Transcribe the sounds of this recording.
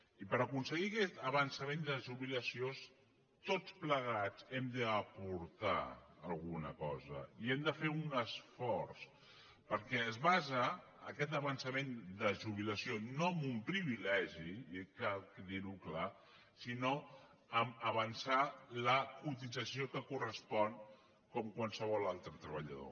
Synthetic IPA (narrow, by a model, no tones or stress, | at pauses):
ipəɾəkunsəɣiəkɛt̪əβənsəmend̪əʒuβiləsios | t̪ot͡spləɣ̞ad͡zɛmd̪əːpuɾt̪a̰ːlˠɣunəkɔzə̰iɛmd̪əfeunəsfɔɾs | pəɾkɛəzβazəː | kɛt̪əβənsəmend̪əʒuβ̞iləsionoəmumpɾiβilɛʒikakðiɾukla | sino | əməβənsaləkut̪id͡zəsiokəkurəspɔn | kɔmkwalˠsəβ̞ɔlalˠt̪ɾət̪ɾəβəʎə̰ðo̰